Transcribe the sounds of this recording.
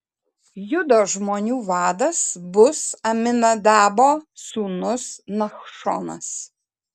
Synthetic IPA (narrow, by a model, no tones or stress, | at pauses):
jʊd̪oːʒmoːnʲuːvɑːd̪ɐsbʊsɐmʲɪnɐd̪ɑːboːsuːnʊsnɐxʃo̰ːnɐ̰s